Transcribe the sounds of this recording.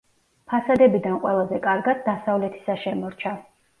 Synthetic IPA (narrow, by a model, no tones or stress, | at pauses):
pʰasad̪ɛbid̪anqʼwɛlˠazɛkʼaɾɡad̪ːasavlɛt̪ʰi̥saʃɛmɔɾt͡ʃʰa